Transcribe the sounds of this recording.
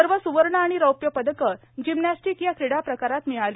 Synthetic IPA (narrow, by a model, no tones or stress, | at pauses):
əɾʋəsuʋəɾɳəaɽ̃iɾəwpjəpəd̪ʱəkə | d͡ʑimnasʈikjakʰɾiɽapɾəkaɾat̪miɭali